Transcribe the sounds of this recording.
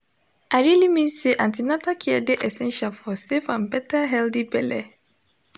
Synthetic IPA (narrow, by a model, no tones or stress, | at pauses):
aɾilimĩnseʔãntʰinãtʰakʰɪɛdɪʔɛsɛ̃nʃialfɔsefãnbɛtʰaɦɛldibɛlɛ̰